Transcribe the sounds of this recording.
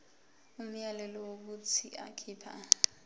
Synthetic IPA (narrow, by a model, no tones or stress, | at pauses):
um̩jalɛlɔwok̬ut͡sʰiʔa̰kʰiːpʰa̰